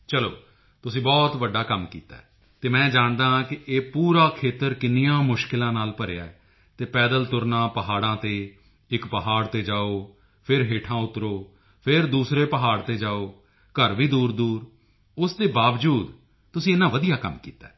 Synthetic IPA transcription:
t͡ʃəlo̰ː | t̪ʊsĩːbɔːt̪ʋəɖːaːkəmkḭːt̪a̰ːɛː | t̪eːmɛ̃ːd͡ʒaːɳd̪ãːkɪʔeːpuːɾaːkʰeːt̪əɾkɪnijãːmʊʃkɪlãːnaːlpəɾeːa̰ːɛ | t̪eːpɛːd̪əlt̪ʊɾnãːpəɦaːɽãːt̪eː | ɪkpəɦaːɽt̪eːd͡ʒaːoː | pʰɪɾɦeːʈʰãːʊt̪ɾoː | pʰɪɾd̪uːsɾeːpəɦaːɽt̪eːd͡ʒaːoː | kəɾʋiːd̪uːɾd̪uːɾ | ʊsd̪eːbaːʋd͡ʒuːd̪ | t̪ʊsĩːɪnãːʋəd̪ijaːkəmkḭːt̪a̰ɛː

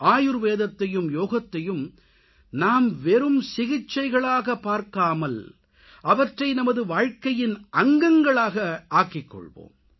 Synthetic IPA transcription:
ʔaːjɯɾʋeːðɐt̪ːɐjɯmjoːɣɐt̪ːɐjɯm | naːmʋɛɾɯmsɪɣɪt͡ʃːɐɪɣɐɭaːɣɐpːaːɾkaːmɐl | ʔɐʋɐʈrɐɪnɐmɐðɯʋaːɻkɐjɪnʔɐŋɡɐŋɡɐɭaːɣɐaːkɪkːɔ̰ɭʋo̰ːm

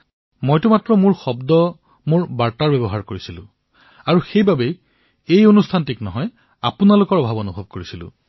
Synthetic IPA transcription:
mojtʊmatɹɔmuɹxɔbdɔ | muɹbaɹtaɹbebɔɦaɹkoɹisilʊ̰̃ | aɹuxejbabej | ejonustʰantiknɔɦɔj | apunalʊkɔɹɔbʱabonubʱɔb̚koɹisilʊ̰̃

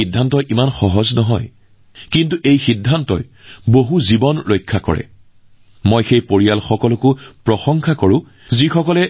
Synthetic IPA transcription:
idʱːantɔjʔimanxɔɦɔznɔɦɔj | kintuʔejxidʱːantɔjboɦuzibɔnɹojkʰːakɔ̰ɹɛ̰ | mojxejpoɹijalxɔkɔlʊkʊpɹɔxɔŋxʰakoɹʊ̃ | zixɔkɔlɛ

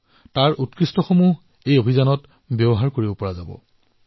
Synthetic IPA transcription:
taɹutkɹistɔxomuɦ | ejobʱizanɔt | bebɔɦaɹkoɹibɔpɔɹazabɔ̰

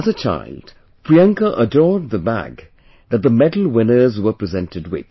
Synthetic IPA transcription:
əzət͡ʃʰa̰ɪld̥ | pʰɹiɛ̃ŋkəʔədɔɹd̪̚ðəbæ̰ɡ | ðɨt̪̚ðəmɛdl̩ˠwɪ̃nə˞zwə˞pɹɨzɛ̃ntɨd̚wɪ̰ð̥

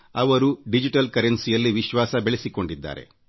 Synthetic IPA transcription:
ɐʋɐɾuɖid͡ʒiʈɐlkɐɾensijɐlːiʋiʃʋaːsɐbeɭesiko̞ɳɖid̪ːa̰ːɾe̞̰

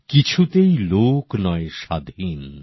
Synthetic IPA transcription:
kit͡ɕʰut̪ejloknɔeʃad̪ʱin

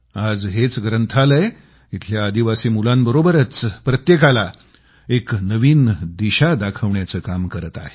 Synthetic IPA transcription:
ad͡zɦet͡sɡɾənt̪ʰaləe | it̪ʰljaːd̪iʋasiːmulambəɾobəɾət͡spɾət̪jekala | eknəʋiːnd̪iɕad̪akʰəʋɳjat͡səːkamkəɾət̪a̰ɦe

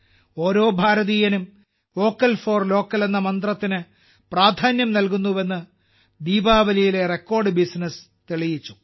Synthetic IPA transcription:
o̞ːɾo̞ːbʱaːɾɐðijɐnum | o̞ːkːɐlfo̞ːrlo̞ːkːɐle̞nːɐmɐnd̪rɐt̪ːinɨ | praːd̪ʱaːnjɐmnɐlkunːuʋe̞nːɨ | d̪iːbaːʋɐlijile̞re̞kːo̞ːrɖɨbisnɐs | t̪eɭijit͡ɕːu̥

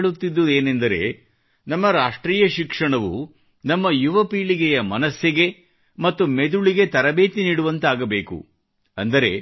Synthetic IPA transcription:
ɭut̪ːid̪ːue̞ːnend̪ɐɾe̞̰ | nɐmːɐɾaːʂʈɾiːjɐʃikʂɐɳɐʋṵ | nɐmːɐjuʋɐpiːɭiɡɛjɐmɐnɐsjɐɡe̞ | mɐt̪ːumed̪uɭiɡe̞t̪ɐɾɐbeːt̪iniːɽuʋɐnt̪aːɡɐbe̞ːkṵ | ɐ̰nd̪ɐɾe̞̰

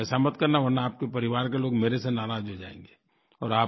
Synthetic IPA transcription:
ɛːsamɐt̪kɐɾnaʋɐɾnaːp̚kepɐɾɪʋaːɾkeloːɡmeːɾesenaːɾaːd͡ʒɦod͡ʒa̰ːḛ̃ːŋɡeː | ɔːɾaː

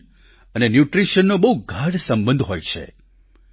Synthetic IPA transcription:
ənenjuʈɾiʃənːobəɦuɡʱaɖsə̃mbə̃nd̪ɦojt͡ʃʰḛ

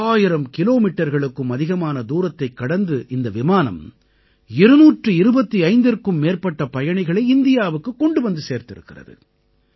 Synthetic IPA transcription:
aːjɪɾɐmkɪloːmiʈːɐɾɣɐɭɯkːɯmɐðɪɣɐmaːnɐd̪uːɾɐt̪ːɐɪkːɐɽɐnd̪ɯʔɪnd̪ɐʋɪmaːnɐ̰m | ɪɾɯnuːʈrɯɪɾɯbɐt̪ːiɐɪnd̪ɪrkɯmːeːrpɐʈːɐpɐjɐɳɐɪɣɐɭɐɪɪnd̪ɪjaːʋɯkːɯkːɔɳɖɯʋɐnd̪ɯseːɾt̪ɪɾɯ̰kːɪrɐ̰ðɯ̰

